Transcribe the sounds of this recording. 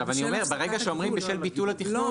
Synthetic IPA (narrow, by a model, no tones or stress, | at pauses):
avanio̞me̞ʁbeʁeɡaʃeomʁimbeʃe̞lbit̪ulhat̪iχno